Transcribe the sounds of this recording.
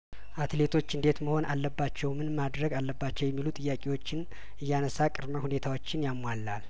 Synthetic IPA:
ʔat̪le̞t̪ʰo̞t͡ʃːɨnd̪e̞t̪məho̞na̰lːəbːat͡ʃːɛwmɨnmad̪ɾəɡalːəbːat͡ʃːɛwjɛmːilut̪ʼɨjːakʼewo̞t͡ʃːɪn | ɨjːanəsakʼɨɾməhune̞t̪ʰawo̞t͡ʃːɪnjamːwalːal

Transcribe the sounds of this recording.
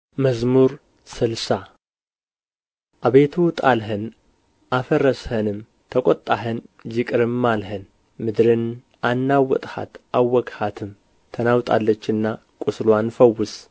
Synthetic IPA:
məzmuɾ | sɨlsa | ʔaβe̞t̪ʰut̪ʼalɦən | ʔafərəshənɨm | t̪ʰəkʼot̪ʼːaɦənd͡ʒɪkʼɨɾɨmːalɦən | mɨd̪ɾɨn | anːawːɔ̰t̪ʼha̰t̪ʔawːɔkhat̪ʰɨm | t̪ʰːənawt̪ʼa̰lːət͡ʃːɨnːa | kʷʼʊslwanfəwːʊs

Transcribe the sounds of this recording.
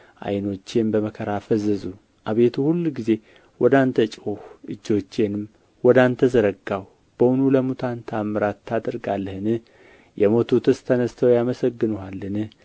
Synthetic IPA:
ʔa̰jno̞t͡ʃːe̞nbəməkʰəɾafəzəzu | ʔaβe̞t̪ʰuhulːɡize̞ | wɔd̪ant̪ʰət͡ʃʼuhɨd͡ʒːo̞t͡ʃːenɨm | wɔd̪ant̪ʰəzəɾəɡːaw | b̥əwʊnuləmut̪ʰant̪ʰamːɨɾat̪ʰːad̪əɾɡalːəhɨnɨ | jʔɛmo̞t̪ʰut̪ʰɨst̪ʰənəst̪ʰəwjaməsəɡːɨnuhalːɨnɨ

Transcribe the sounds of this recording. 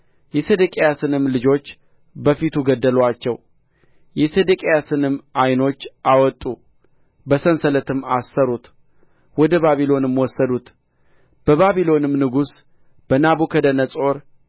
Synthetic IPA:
jɛsed̪əkʼejasɨnɨmlɨd͡ʒo̞t͡ʃː | bəfit̪ʰuɡəd̪ːəlwat͡ʃːɛw | jɛsed̪əkʼejasɨnɨmʔajno̞t͡ʃːʔawɔt̪ʼu | bəsənsələt̪ɨmːasːəɾut̪ | wɔd̪əβaβilo̞nɨmwɔsːəd̪ut̪ | b̥əβaβilo̞nɨmnɨɡus | b̥ənabukʰəd̪ənəsʼo̞ɾ

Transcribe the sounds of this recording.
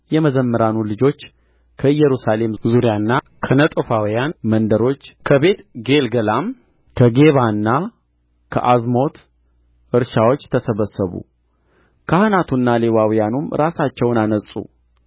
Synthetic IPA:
jɛməzəmːəɾanulɨd͡ʒo̞t͡ʃː | kʰəɨjːɛɾusale̞mzuɾijanːa | kʰənət̪ʼəfawijanmənd̪əɾo̞t͡ʃːkʰəβe̞t̪ɡe̞lɡəlam | kʰəɡe̞βanːa | kʰə̰ʔazmo̞t̪ | ɨɾʃawo̞t͡ʃːt̪ʰəsəβəsːəβṵ | kʰahɨnat̪ʰunːalewawijanumɾasat͡ʃːɛwnanəsʼṵ

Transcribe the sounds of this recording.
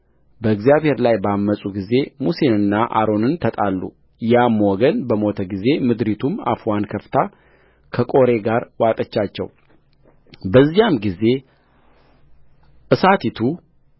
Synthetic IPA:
bəɨɡzijaβhe̞ɾlajbamːəsʼuɡize̞musenɨnːaʔa̰ɾo̞nɨnt̪ʰət̪ʼalːṵ | jamwɔɡənbəmot̪ʰəɡize̞mɨd̪ɾit̪ʰuma̰fuwankʰəft̪ʰa | kʰəkʼo̞ɾe̞ɡaɾwat̪ʼət͡ʃːat͡ʃːɛ̰w | bəzːijamɡize̞ | ʔɨsat̪ʰit̪ʰu

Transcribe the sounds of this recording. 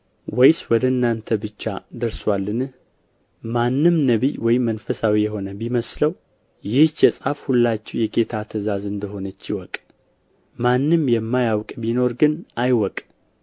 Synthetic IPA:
wɛjswɔd̪əɨnːant̪ʰəbɨt͡ʃːa̰d̪əɾswalːɨnɨh | manːɨmnəβḭwɔjmːənfəsawijɛɦo̞nəbiməsləw | jɪht͡ʃːɛsʼafhulːat͡ʃːɛwjɛɡe̞t̪ʰat̪ʰəzazɨnd̪əɦo̞nət͡ʃːɪwɔkʼ | manːɨmjɛmːajawkʼbino̞ɾɡɨnʔajwɔkʼ

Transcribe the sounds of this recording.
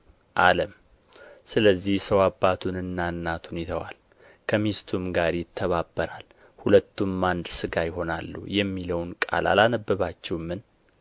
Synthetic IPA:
ʔaləm | sɨləzːihsəwabːat̪ʰunɨnːanːat̪ʰhunet̪ʰawa̰l | kʰəmist̪ʰumɡaɾjɪt̪ʰːəβabːəɾa̰l | hulət̪ːumːand̪sɨɡajɪɦo̞nalːṵjɛmːiləwnkʼa̰la̰lanəbːɨβat͡ʃːɛwmːɨn

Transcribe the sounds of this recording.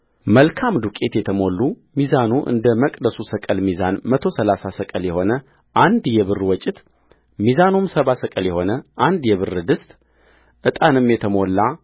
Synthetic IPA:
məlkʰamd̪ukʼe̞t̪jɛt̪ʰəmo̞lːu | mizanuʔɨ̰nd̪əməkʼd̪əsusəkʼəlmiza̰nmət̪ʰo̞səlasasəkʼəljɛho̞nə | ʔand̪jɛβɨrwɔt͡ʃʼːɪt̪ | mizanumsəβasəkʼəljɛho̞nəʔand̪jɛβɨrːɨd̪ɨst̪ʼ | ʔɨt̪ʼanɨmːjɛt̪ʰəmo̞lːa

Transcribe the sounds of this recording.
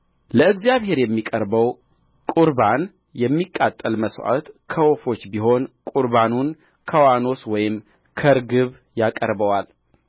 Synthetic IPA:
ləɨɡzjaβhe̞ɾjɛmːikʼəɾbəw | kʼuɾban | jɛmːikʼːat̪ʼːəlməsʔa̰t̪kʰəwofo̞t͡ʃːbiɦo̞nkʼuɾbanun | kʰəwano̞swɔjɪm | kʰəɾɡɨβ | jakʼəɾbəwal

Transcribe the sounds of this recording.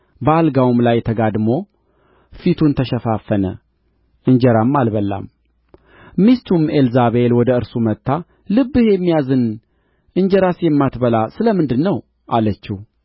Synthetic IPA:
bəalɡawumlajt̪ʰəɡad̪mo̞ | fit̪ʰunt̪ʰəʃəfafːənə̰ | ʔɨɲd͡ʒɛɾamːalβəlːa̰m | mist̪ʰumelzaβelwɔd̪əɨɾsumət̪ʰːa | lɨbːɨhjɛmːijazɨn | ʔɨɲd͡ʒɛɾasjɛmːat̪bəlasɨləmɨnd̪ɨnːəw | ʔalət͡ʃːih

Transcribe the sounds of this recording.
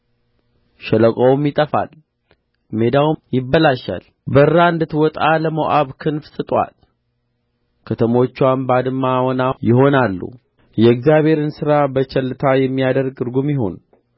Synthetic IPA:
ʃɛləkʼowmjɪt̪ʼəfa̰l | me̞d̪awjɪbːəlaʃa̰l | bəɨɾaɨnd̪ɨt̪wɔt̪ʼaləmoʔaβkʰɨnfsɨt̪ʼwa̰l | kʰət̪ʰəmo̞t͡ʃːanbad̪ɨmːawɔnajɪɦo̞nalːṵ | jɛɨɡzijaβhe̞ɾɨnsɨɾabət͡ʃʰɛlːɨt̪ʰajɛmːijad̪əɾɡɾɡumjɪɦo̞̰n

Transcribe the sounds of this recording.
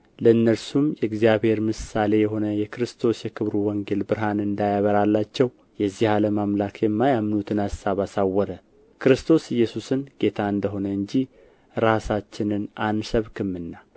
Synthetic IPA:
ləɨnːəɾsumjɛɨɡzijaβhe̞ɾmɨsale̞jɛɦo̞nəjɛkɾɨst̪ʰo̞sjɛkʰɨβɾuwɔŋɡe̞lbɨɾɦanɨnd̪ajaβəɾalːat͡ʃːɛw | jɛzːihaləmamlakʰjɛmːajamːnut̪ʰɨnassaβasawːɔɾə | kɨɾɨst̪ʰo̞sɨjːɛsusɨnɡe̞t̪ʰaɨnd̪əɦo̞nəɨɲd͡ʒi | ɾasat͡ʃːɪnɨnansəβkʰɨmːɨnːa

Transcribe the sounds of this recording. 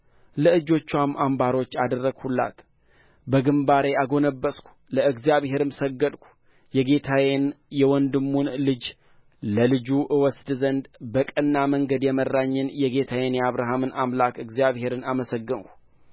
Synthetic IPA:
ləɨd͡ʒo̞t͡ʃːwamːʔambaɾo̞t͡ʃːad̪ərːəɡhulːa̰t̪ | bəɡɨmbaɾe̞aɡo̞nəbːəskʷu̥ləɨɡzjaβhe̞ɾɨmsəɡːəd̪kʷu̥ | jɛɡe̞t̪ʰajenjɛwɔnd̪ɨmːunlɨd͡ʒ | ləlɨd͡ʒuʔɨwɔsd̪zənd̪bəkʼənːaməŋɡəd̪jɛmərːaɲːɨnjɛɡe̞t̪ʰajenjɛaβɾaɦamɨnamlakɨɡzjaβhe̞ɾɨnaməsəɡːɨnku̥

